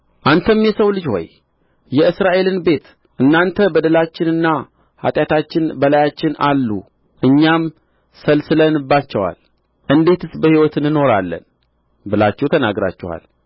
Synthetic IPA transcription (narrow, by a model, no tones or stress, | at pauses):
ʔant̪ʰəmjɛsəwlɨd͡ʒho̞̰j | jɛɨsɾaʔe̞lɨnbe̞t̪ | ʔɨnːant̪ʰəbəd̪əlat͡ʃːɪnɨnːa | ha̰t̪ʼjat̪ʰat͡ʃːɪnbəlajat͡ʃːɪnalːṵ | ʔɨɲːam | səlsɨlənɨbːat͡ʃːɛwa̰l | ʔɨnd̪e̞t̪ɨsbəhiwɔt̪ɨnːɨno̞ɾalːə̰n | bɨlat͡ʃːɛwt̪ʰənaɡɾa̰t͡ʃːɛ̰wa̰l